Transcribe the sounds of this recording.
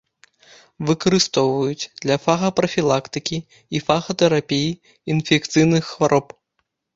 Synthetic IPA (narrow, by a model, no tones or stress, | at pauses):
vɨkɐɾɨst̪ɔwvɐjut͡sʲd̪lʲɐfaɣɐpɾɐfʲilˠakt̪ɨkʲiː | faɣɐt̪ɛɾapʲiji | infʲɛkt̪sɨjnɨxːvaɾʔɔp